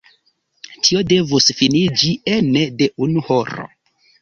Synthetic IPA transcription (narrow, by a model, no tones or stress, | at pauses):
tʰio̞de̞vusfinid͡ʒienede̞ʔunuhoɾo̰